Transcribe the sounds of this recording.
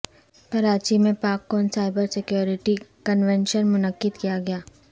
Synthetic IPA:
pɐɾaːt͡ʃimẽpaːkːɔːnsaːɪbəɾsɪkjoːɾɪʈikənʋɛ̃nʃənmʊnəkːɪd̪kijaɡɐjaː

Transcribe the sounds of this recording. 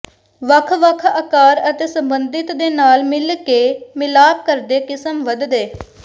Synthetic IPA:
ʋəkʰʋəkʰəːkaːɾət̪eːsəmbənd̪ɪt̪d̪eːnaːlmɪlkeːmɪlaːp̚kəɾd̪eːkɪsəmʋəd̪d̪eː

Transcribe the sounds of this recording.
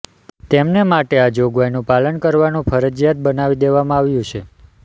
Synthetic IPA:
t̪emnemaʈead͡ʒoɡʋajnũpalənkəɾʋanũfʰəɾəd͡ʒjat̪̚bənaʋid̪eʋamãaʋjũt͡ʃʰe

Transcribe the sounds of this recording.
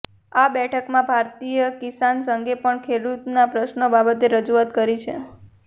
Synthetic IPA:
abɛʈʰəkmãbʱaɾt̪ijəkisansəŋɡepəɳkʰeɽut̪napɾəʃnobabət̪eɾəd͡ʒuat̪kəɾit͡ʃʰe

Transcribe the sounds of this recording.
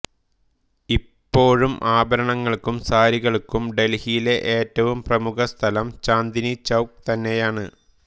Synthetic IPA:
ipːo̞ːɻumʔaːbɐɾɐɳɐŋːɐɭkumsaːɾiɣɐɭkːumɖe̞lhijile̞ʔeːtːɐʋumprɐmukɐst̪ʰɐlɐmt͡ɕaːnd̪init͡ɕɐwk̚t̪ɐnːe̞jaːɳɨ̰

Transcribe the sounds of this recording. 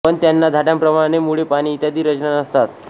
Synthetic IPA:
pəɳt̪janːad̪ʱaʈjãmpɾəmaɽ̃emuɭepaɽ̃iːt̪jad̪iːɾəd͡ʑnanəst̪at̪

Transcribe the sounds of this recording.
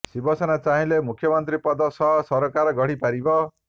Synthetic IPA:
sibʌsʌnat͡saɦĩlemukʰjʌmʌnt̪ripʌd̪ʌsʌsʌɾokaɾɡʌɽ̤ipaɾibʌ

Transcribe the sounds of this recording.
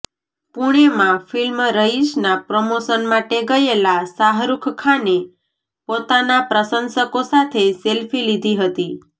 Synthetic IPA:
puɽ̃emãfilmɾəɦiʃnapɾomosənmaʈeɡəjelasaɦɾukʰkʰane | pot̪anapɾəsənsəkosat̪ʰeselfilid̪ʱiɦət̪i

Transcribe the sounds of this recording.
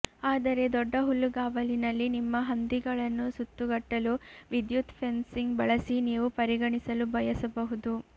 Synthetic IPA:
aːd̪ɐɾe̞d̪ɔɖːɐɦulːuɡaːʋɐlinɐlːinimːɐɦɐnd̪iɡɐɭɐnːusut̪ːuɡɐʈːɐluʋid̪jut̪pʰe̞nsiŋɡbɐɭɐsiniːʋupɐɾiɡɐɳisɐlubʱɐjɐsɐbɐɦud̪u

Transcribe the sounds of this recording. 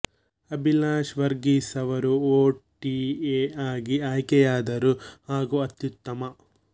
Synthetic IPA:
ɐbʱilaːʃʋɐɾɡiːsɐʋɐɾuoːʈieaːɡiaːjkɛjaːd̪ɐɾuhaːɡuɐt̪jut̪ːɐmɐ

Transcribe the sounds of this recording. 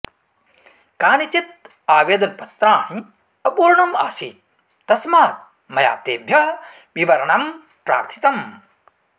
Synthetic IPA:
kaːnit̪it̪̚ | aːʋeːd̪ɐnpɐt̪ɾaːn | ɐpuːɾɐɳɐma̰ːsiːt̪̚ | t̪ːɐsmaːt̪̚ | mɐja̰ːt̪eːb̪ʱjɐɦ | ʋiʋɐɾɐɳɐm | pɾa̰ːɾt̪ʰi̥t̪ɐm

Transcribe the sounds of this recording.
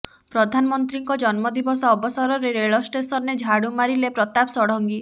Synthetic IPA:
pɾɔd̪ʱanɔmɔnt̪ɾiŋkɔd͡ʒɔnmɔd̪ibɔsɔːbɔsɔɾɔɾeɾeɭɔsʈesɔɾned͡ʒʱaɽumaɾilepɾɔt̪apɔsɔɽ̤ɔŋɡi

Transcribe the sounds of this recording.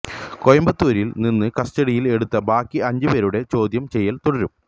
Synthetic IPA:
ko̞jɐmbɐt̪ːuːɾilninːɨkɐsʈɐɽijile̞ɽut̪ːɐbaːkːiɐɲd͡ʑɨbeːɾuɽe̞t͡ɕo̞ːd̪jɐmt͡ɕe̞jːɐlt̪oɽɐɾum

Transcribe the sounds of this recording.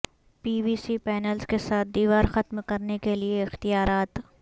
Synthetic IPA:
piːʋiːsipɛːnəlskesaːt̪̚ʰd̪iːʋaːɾxɐt̪mkɐɾnekelieɪxt̪ijaːɾaːt̪

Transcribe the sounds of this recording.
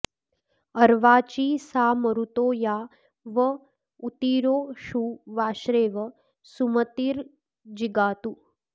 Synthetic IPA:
əɾʋaːt͡ʃiːsaːməɾut̪oːja | ʋə | ut̪iɾoːʃuʋaːʃɾeːʋə | sumət̪iːɾ | d͡ʒiɡaːt̪uː

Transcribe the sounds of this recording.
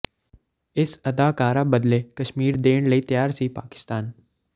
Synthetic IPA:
ɪsɐd̪aːkaːɾabəd̪lekɐʃmiːɾd̪eːɽ̃ləit̪jaːɾsipa̰ːkɪ̥st̪aːn

